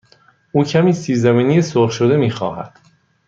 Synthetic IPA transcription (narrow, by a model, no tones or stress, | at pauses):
ʔuːcʰæmiːsiːzæmiːnijesoχʃod̪e̞miːxɒːhæ̰d̪̥